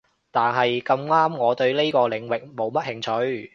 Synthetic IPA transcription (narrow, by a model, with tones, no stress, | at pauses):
t̪aː˨nɦɐ˨jkɐ˧mŋaː˥mŋɔː˨˧t̪ɵ˧ɥle˥jkɔː˧lɪ˨˥ŋwɪ˨k̚mo˨˧wmɐ˥t̚hɪ˨ŋt͡ʃʰɵ˨˧ɥ